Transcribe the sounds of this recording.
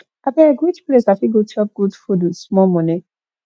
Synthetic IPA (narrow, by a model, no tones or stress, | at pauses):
abɛeɡɹid͡ʒplesafiɡotʰɔp̚ɡ̥udfudusmɔmɔ̃ne